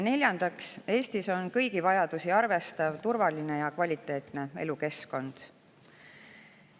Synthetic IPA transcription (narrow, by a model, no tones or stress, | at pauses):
ne̞lʲjɑnd̪̥ɑkse̞ːst̪iso̞nkɤjɡ̥ivɑjɑd̪̥usiɑrve̞st̪ɑvt̪uɾvɑline̞jɑkvɑlʲit̪ːˑe̞ːt̪ne̞e̞luke̞sko̞nd̪̥